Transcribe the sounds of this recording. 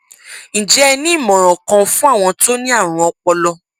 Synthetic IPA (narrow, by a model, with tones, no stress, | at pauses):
n̩˨d͡ʒɛ˨˦˧nĩ˦i˦˨mɔ̃˨ɾ̃ɔ̃˨kã˧fũ˦a˦˨w̃ɔ̃˧to˦nĩ˦a˦˨ɾ̃ũ˧˦ɔ˧k͡pɔ˧lɔ˧